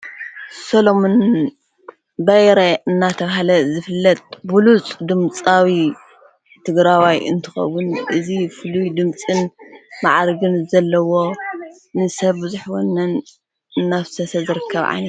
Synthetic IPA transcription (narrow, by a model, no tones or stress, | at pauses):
solomun | bɐjɾɐɨnːat̪ʰɐβaɦalɐzɨfɨlːɐt̪̚bulut͡sʼd̪ɨmt͡sʼawi | t̪ʰɨɡɾawajɨnt̪ʰɨxɐ̰wunʔɨzifɨlujd̪ɨmt͡sʼɨnmaʕaɾɡɨnzɐlːɐwo̞ | nɨsɐβbɨzuħwonːɐn | ɨnːaβsʰɐsɐzɨɾɨkʰːɐβʕa̰jnɐt̪